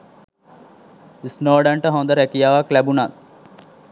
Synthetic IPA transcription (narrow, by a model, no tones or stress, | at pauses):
isnoːɖaɳʈəɦond̪əɾɛkijaʋaklæbunat